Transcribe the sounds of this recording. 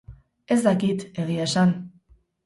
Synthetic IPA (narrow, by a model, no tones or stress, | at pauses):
ezd̪akit̪eɣiesan